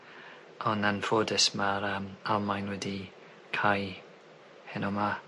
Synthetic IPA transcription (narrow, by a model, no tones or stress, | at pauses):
ɔnanfoːdəsmaɾəmalˠmajnwɛdi | kʰaj | hɛnɔma